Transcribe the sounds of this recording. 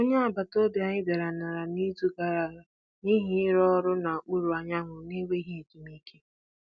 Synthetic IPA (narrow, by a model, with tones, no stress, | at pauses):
o˦ɲe˦a˨ba˨to˦bja˨ɲɪ˦be˨ɾa˨na˨ɾa˨ni˦tu˦ɡa˨ɾa˨ɾ | ni˦ɦi˦ɪ˦ɾɔ˦ɾʊ˦na˨k͡pu˦ɾu˨a˨ɲa˦ŋʷʊ˨ne˦ɡʷe˦i˦ɦi˦e˨ti˨mi˦kʰe˦